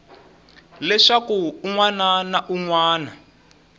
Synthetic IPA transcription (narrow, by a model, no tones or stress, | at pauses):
lɛʂakuːŋwananaʔuŋwaːna